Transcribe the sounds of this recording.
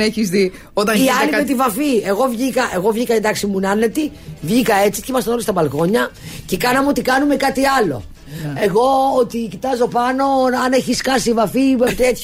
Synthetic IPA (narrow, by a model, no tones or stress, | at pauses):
eçizði | ot̪ɐniɐllimet̪ivɐfie̞ɣo̞vʝikɐʔe̞ɣo̞vʝikɐend̪ɐksimunɐnet̪ivʝikɐe̞t͡si̥cemɐst̪ɐnolist̪ɐbɐlɣo̞ɲɐce̞kɐnɐmeo̞t̪ikɐnume̞kɐt̪iɐlo̞̰ | e̞ɣo̞ot̪icit̪ɐzo̞pɐno̞ɐne̞çisxɐsivɐfit̪et̪